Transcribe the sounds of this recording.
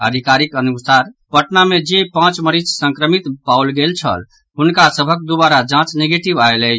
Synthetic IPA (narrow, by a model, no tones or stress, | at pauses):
ə̰d̪ʱikaɾikənusaɾpəʈnamed͡ʒepãt͡ʃməɾit͡ʃsə̃ŋkɾəmit̪pawlɡelt͡ʃʰə̰l | ɦunkasəbʱək̚d̪ubaɾad͡ʒãt͡ʃneɡeʈibaelɛ